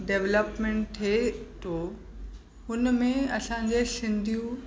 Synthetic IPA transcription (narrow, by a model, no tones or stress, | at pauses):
ɖeʋləpmẽɳʈt̪ʰet̪ʰoː | ɦʊnmẽɐsãɲd͡ʑesɪ̃nd̪ʱijũ